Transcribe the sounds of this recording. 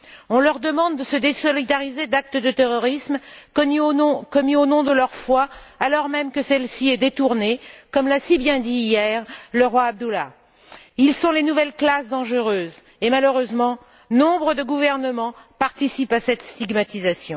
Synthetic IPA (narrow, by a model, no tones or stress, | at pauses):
ɔ̃lœʁd̪əmɑ̃d̪ːəsəd̪esɔlid̪aʁized̪ak̚t̪əd̪ət̪eʁɔʁismõkɔmionɔ̃d̪əlœʁfwaːlɔʁmɛmkəsɛlsiɛd̪et̪uʁnekɔmlasibjɛ̃d̪iːjɛːʁləʁwaːb̚d̪ula | ilsɔ̃lenuvɛlklasd̪ɑ̃ʒəʁøːz | emaløʁøzmɑ̃ | nɔ̃bʁəd̪əɡuvɛʁnəmɑ̃paʁt̪isipasɛt̪st̪iɡmat̪izasjɔ̃